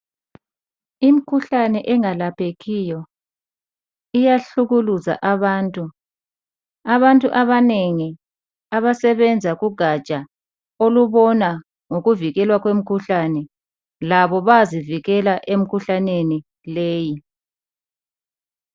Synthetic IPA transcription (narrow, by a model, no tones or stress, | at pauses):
im̩kʰuɬanɛʔɛŋalapʰeɣijɔ | ijaɬuɣuluza̰ʔaβaːntʼu | aβantʼuʔaβaneŋi | aβasɛβɛnd͡zʱaɣuɡ̥ʱat͡ʃʼa | oluβɔna | ŋoɣuviɣɛlwaɣwem̩kʰuɬanɛ | laβɔβaziviɣɛlaʔem̩kʰuɬaneni | leːji